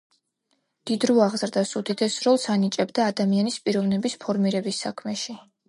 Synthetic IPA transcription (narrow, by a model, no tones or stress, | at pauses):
d̪̥id̪ɾuaʁzɾd̪asud̪id̪ʰɛsɾɔlˠsanit͡ʃʼɛbd̪aːd̪amianispʼiɾɔvnɛbispʰɔɾmiɾɛbisːakʰmɛʃi